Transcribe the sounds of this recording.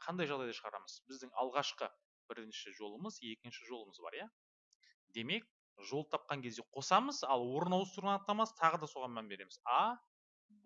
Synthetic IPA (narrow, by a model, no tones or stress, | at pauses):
qʰɑnd̪ɑjʒɑʁd̪ɑjd̪ɑʃəʁɑɾɑ̰məzbɪzd̪ɪŋɑ̰lˠʁɑʃqə | bɪɾɪnʃɪʒo̞lˠəməzje̞kʲɪnʃɪʒo̞lˠəməzbɑ̰ɾjɑ | d̪e̞me̞k̚ | ʒo̞lˠt̪ʰɑp̚qɑŋkʲʰe̞zd̪e̞qʰo̞sɑməzɑlˠwo̞ɾənɑwəst̪ʰʊɾʁɑnɑqt̪ːɑmɑst̪ʰɑʁəd̪ɑso̞ʁɑnmænbe̞ɾe̞mɪzɑ